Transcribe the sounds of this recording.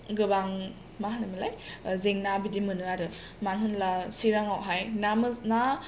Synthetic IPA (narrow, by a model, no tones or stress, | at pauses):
ɡɯbaŋ | maɦanɯmilajzeŋnabidimɯnɯaɾɯ | manɦunlasiɾaŋawɦajnamɯna